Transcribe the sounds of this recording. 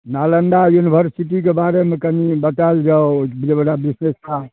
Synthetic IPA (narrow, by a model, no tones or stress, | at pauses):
naləɳɖajunibʱəɾsiʈik̬ebaɾemekənibət̪ald͡ʒaod͡ʒebəɽabisnesta